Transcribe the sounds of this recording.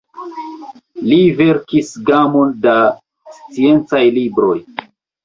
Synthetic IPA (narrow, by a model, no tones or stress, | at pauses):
live̞ɾkisɡamo̞nda | st͡sie̞nt͡sajlibɾo̞j